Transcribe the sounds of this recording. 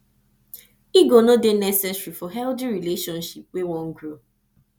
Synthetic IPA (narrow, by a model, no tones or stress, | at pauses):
iɡonodenɛsɛsɹifɔɦɛldiɹileʃɔ̃nʃipwewɔ̃ŋɡɹo